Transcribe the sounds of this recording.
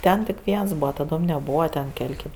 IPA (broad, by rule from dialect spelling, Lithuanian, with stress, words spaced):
ˈtʲɛn tʲɪk ˈʋʲiɛns ˈbuːʋɐ tɐˈdoːm nʲɛˈbuːʋɐ tʲɛn ˈkʲɛlʲ ˈkʲeːp